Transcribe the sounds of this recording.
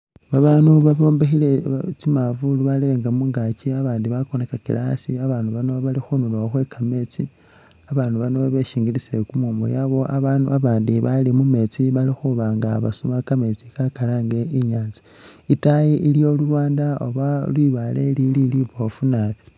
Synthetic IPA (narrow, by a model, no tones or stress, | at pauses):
βaβaːnuβaβo̞ːmbexilet͡simavuluβalileːŋɡamuːŋɡaciaβaːndiβakonekakḭlasiaβaːnuβanoβalixunuβaoxwekame̞t͡si | aβaːnuβanoβaβeʃiːŋɡilisekumuːmbo̰jaβo̞ʔaβanuaβaːndiβalimume̞t͡siβalixuβaːŋɡaβa̰sumakame̞t͡sikakalaːŋɡe̞iɲaːnzi̥ | itajiʔiljo̞lulwaːndaoβalwiβale̞lililiβo̞funaβi